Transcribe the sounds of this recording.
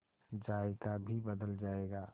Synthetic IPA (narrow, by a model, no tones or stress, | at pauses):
d͡ʒaːekabʱibəd̪əld͡ʒaːeɡaː